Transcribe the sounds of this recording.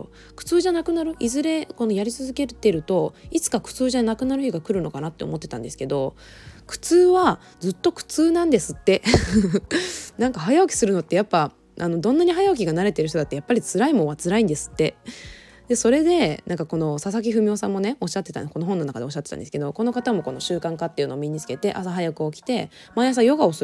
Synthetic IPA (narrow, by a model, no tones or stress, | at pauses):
kɯ̟̥t͡sɨːʑanakɯ̟naɾɯ̟ʔizɨɾe̞ko̞nojaɾʲit͡sɨzɨke̞ɾt̪e̞ɾɯ̟t̪o̞it͡sɨ̥kakɯ̟̥t͡sɨːʑanakɯ̟naɾɯ̟çiɡakɯ̟ɾɯ̟no̞kanat̪ːe̞o̰mo̞t̪ːe̞t̪ã̰nd̪e̞sɨ̥ked̪o̞ | kɯ̟̥t͡sɨːβa | d͡zɨt̪ːo̞kɯ̟̥t͡sɨːnãnd̪e̞sɨt̪ːe̞ | nãŋkaɦajaokʲi̥sɨɾɯ̟no̞t̪ːe̞japːa | ʔano̞d̪õ̞nːaɲ̟iɦajaok̬ʲiɡanaɾe̞t̪e̞ɾɯ̟ç̬t̪oat̪ːejapːaɾʲit͡sɨɾaimoat͡sɨɾaĩnd̪e̞sɨ̥t̪ːe̞ | d̪̥e̞so̞ɾe̞d̪e̞nãŋkako̞no̞sas̬ak̬ʲiɸɯ̟mʲio̞sãmːo̞ne̞o̞ɕːat̪ːe̞t̪a̰ko̞no̞ɦõ̞nːo̞nakad̪eoɕ̬ːat̪ːet̪ã̰nd̪sɨ̥ked̪o̞ko̞no̞kat̪amo̞ko̞no̞ɕɨːkãŋkat̪ːe̞jɯ̟no̞ːmʲiɲ̟it͡sɨ̥ke̞t̪e̞ʔa̰saɦajakɯ̟o̞kʲi̥t̪e̞maeas̬ajo̞ɡaos